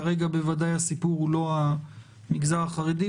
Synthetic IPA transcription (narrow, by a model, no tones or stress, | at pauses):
aʁe̞ɡabe̞vadajasipuʁulo̞a | miɡzaʁaχaʁidi